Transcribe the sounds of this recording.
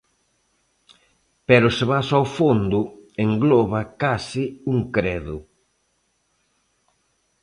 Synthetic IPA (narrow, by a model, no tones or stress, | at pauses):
pɛɾʊseβasawfond̪ʊeŋɡlɔβakasiuŋkɾɛðʊ